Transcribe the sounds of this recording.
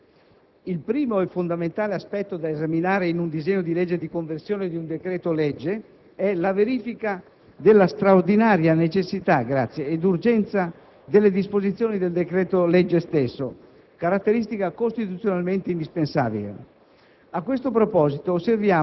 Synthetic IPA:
ilpɾiːmoɛfond̪ament̪aːleaspɛt̪ːod̪aezaminaːɾeinund̪izeɲːod̪ilɛd͡ʒːed̪ikoɱversjoːned̪iund̪ekɾɛːt̪olɛd͡ʒːe | ɛlaveɾiːfika | d̪elːast̪ɾaoɾd̪inaːɾjanet͡ʃesːit̪aɡɾat̪sːjeːd̪urd͡ʒɛnt̪sa | d̪elːed̪ispozit̪sːjoːnid̪eld̪ekɾɛːt̪olɛd͡ʒːest̪esːo | kaɾat̪ːeɾist̪ikakost̪it̪ut̪sjonalment̪eind̪ispensa̰ːbilḛ | akwest̪opɾopɔːzit̪oːsːervjaː

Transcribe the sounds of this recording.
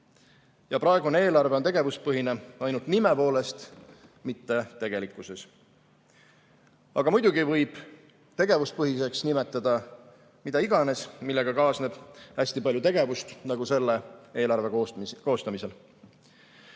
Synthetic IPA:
jɑpɾɑe̞ɡ̥unee̞ːlɑrveot̪e̞ɡ̥e̞vus̚pɤɦineɑjnult̪nimepo̞ːle̞st̪mit̪ːe̞t̪e̞ɡ̥e̞likːˑuse̞s | ɑɡ̥ɑmujd̪̥uɡivɤjb̥ | t̪e̞ɡe̞vuspɤɦise̞ksnimet̪ːˑɑd̪̥ɑ | mid̪̥ɑiɡɑne̞smilːe̞ɡ̥ɑkɑːsne̞b̥æsʲt̪ipɑljut̪e̞ɡ̥e̞vust̪nɑɡ̥use̞lːee̞ːlɑrve̞oko̞ːst̪ɑmise̞l

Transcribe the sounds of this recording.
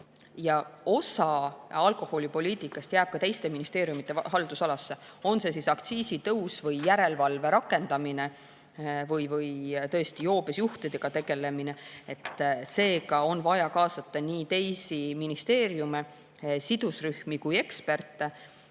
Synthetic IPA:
jɑo̞sɑɑlko̞ho̞lʲipo̞lʲiːt̪ˑikːˑɑst̪jæːb̥̚kɑt̪ejst̪e̞minist̪e̞ːɾjumit̪ːˑe̞ɦɑld̪̥usɑlɑsːe̞o̞nse̞s̬isɑkt̪siːsit̪ɤwsvɤjːæɾe̞lvɑlve̞ɾɑkːˑe̞nd̪̥ɑmine̞ | vɤjvɯjt̪ɤ̞est̪ijo̞ːb̥esjuht̪id̪̥e̞ɡ̥ɑt̪e̞ɡ̥e̞le̞mine̞et̪ːˑse̞ːkɑo̞nvɑjɑkɑːsɑt̪ːˑɑniːt̪e̞jsiminist̪e̞ːɾjume̞ | sid̪̥usryhmikuje̞kspe̞rt̪ːˑe

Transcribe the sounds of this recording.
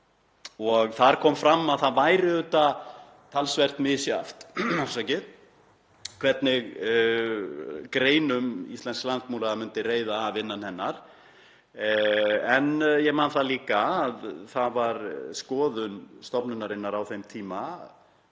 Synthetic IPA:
ɔɣθaɾ̥kʰɔːmfɾamːaðθaðvajɾɪðʏt̪a | t̪ʰalsvɛr̥t̪mɪsja̰ft̪sacɪð | kʰvɛt̪nɪɣ | kɾeːjnʏmḭst̪ɛnsklant̪muːlaɣamʏnt̪ɪreːjðaːvɪnːanhɛnːaɾ̥ | ɛnjɛɣmaːnθaliːkaːðθaðvaɾskɔːðʏnst̪ɔpnʏnaɾɪnːaɾawθejmt̪ʰiːma

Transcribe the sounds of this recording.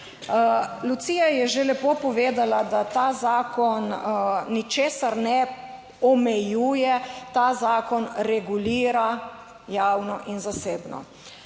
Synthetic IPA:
lut̪siːjajɛʒelɛpoːpɔʋeːd̪alad̪at̪azaːkɔnː | it͡ʃeːsaɾnɛ | ɔmɛjuːjɛt̪azaːkɔnɾɛɡuliːɾa | jawnɔʔinzaseːbnɔ̰

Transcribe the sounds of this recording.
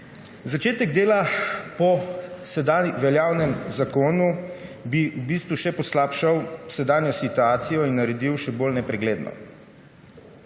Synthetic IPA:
zat͡ʃeːt̪ɛɡd̪eːlapɔsɛd̪anʋɛljaːwnɛmzakoːnubiubiːst̪ʋuʃɛpɔslaːpʃawsɛd̪aːnjɔsit̪uaːt̪sijɔinːaɾɛd̪iwʃɛboːlnɛpɾɛɡleːd̪nʔɔ̰

